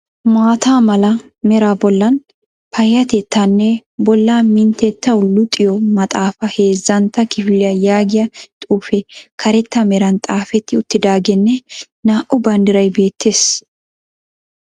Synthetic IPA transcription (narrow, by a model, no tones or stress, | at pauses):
maːt̪aːmɐlɐ | mɛɾaːbɔlːɐn | pʰɐjːɐt̪ɛt̪ːɐnːɛbɔlːaːmɪnt̪ɛt̪ːɐʊlːʊt̪ʼɪjɔmɐt̪ʼaːfɐhe̞ːzːɐnt̪ːɐkɪfɪlɪjɐjaːɡɪjɐt̪ʼuːfɛkʰɐɾɛt̪ːɐmɛɾɐnt̪ʼaːfɛt̪ːɪʊt̪ːɪd̪aːɡɛnːɛ | naːʔʊbɐnd̪ɪɾɐjbe̞ːt̪ːe̞ːs